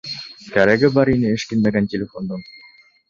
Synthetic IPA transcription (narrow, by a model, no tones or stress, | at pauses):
kæɾæɡɘbɑɾinɘɘ̆ʃkɘ̆nmæɡæntʲelʲefond̪ɤɴ